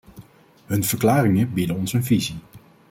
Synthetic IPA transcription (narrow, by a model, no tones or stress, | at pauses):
ɦɵnv̥əɹklaːɾɪŋəbidənɔnsənvizi